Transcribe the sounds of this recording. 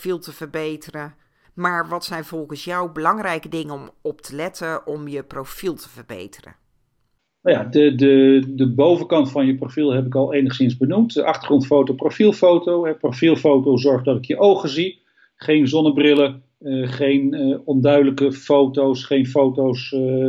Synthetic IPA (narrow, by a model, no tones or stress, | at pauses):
filˠtəvəɹbejtərə | maːɹʋɑtsɛjnvɔlˠχənsjawbəlɑŋrɛjkədɪŋənɔmɔptʰəlɛtəɔmjəprowfilˠtʰə̥vəɹbḛjtərə̰ | njadədədəbowvəkɑntfɑnjəprofilˠɦɛpɪkɑlˠejnəχsɪnzbənumtəʔɑχtərχrɔntfowtoprofilˠfowtowɛprofilˠfowtowzɔɹχdɑtɪkjəʔowχəzi | χejnzɔnəbrɪlə | χejnɔndœɥdələkəfowtowsχejnfowtows